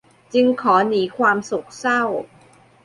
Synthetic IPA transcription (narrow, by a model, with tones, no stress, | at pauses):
t͡ɕi˧ŋkʰɔː˩˦niː˩˦kʰwaː˧msu˨˩k̚sa˥˩w